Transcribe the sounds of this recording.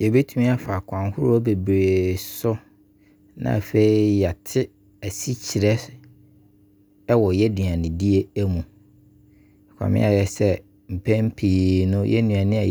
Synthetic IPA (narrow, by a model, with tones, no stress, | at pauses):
jɛ˨be˦tʰũ˦mĩ˦a˦fa˨kʰʷã˨nhʊ˦ɾʊ˦ɔ˦be˨bɾe˨sʊ˦ | nã̰˨fe˦i˦ja˨tʰɪ˦ | æ˨si˦t͡ɕʰi˨ɾɛ˦ | ɛ˦wɔ˨jɛ˦di˨ã˨nɪ̃˨di˦e˦æ˦mũ˨ | ɛ˨kʷʰã̰˨mɪ̰̃˦a˨jɛ˨sɛ˦ | m̩˨pʰæ̃˦m˦pʰiː˨nʊ̃˦jɛ̰˦nũ˨a˨nɪ̃˦a˨